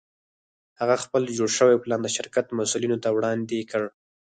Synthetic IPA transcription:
haɣaxpəld͡ʒoɽʃəweplɑnd̪əʃɪɾkat̪masulinot̪awɽɑnd̪ekəɽ

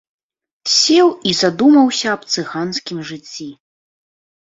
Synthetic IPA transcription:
sʲɛwizad̪umɐwsʲɐːpt̪sɨɣanskʲimʐɨt͡sʲːi

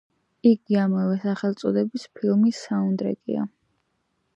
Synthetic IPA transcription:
iɡiamɛvɛsaχɛlˠt̪sʼɔd̪ɛbispʰilˠmisaund̪ɾɛ̰kʼḭa̰

